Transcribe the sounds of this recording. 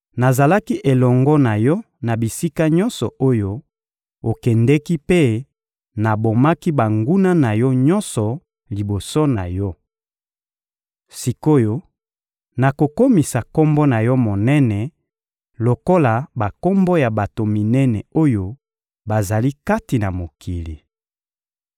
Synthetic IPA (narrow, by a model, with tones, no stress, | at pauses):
na˨za˨la˦ki˦ʔe˨lɔ˨ŋɡɔ˦na˨jɔ˦ | na˨bi˨si˦ka˦ɲɔ̃˦nsɔ̰˨ʔo˦jo˦ | o˨kɛ˨ndɛ˦ki˦pe˦ | na˨bo˨ma˦ki˦ba˨ŋɡu˦na˦na˨jɔ˦ɲɔ˦nsɔ˨ | li˨bo˨so˦na˨jɔ˦ | si˨ko˦jo˦ | na˨ko˨ko˦mi˨sa˨ko˦mbɔ˦na˨jɔ˦mo˨nɛ˦nɛ˨ | lo˨ko˦la˨ba˨ko˦mbo˦ja˨ba˨to˨mi˨nɛ˦nɛ˨o˦jo˦ | ba˨za˨li˦ka˦ti˨na˨mo˨ki˨li˨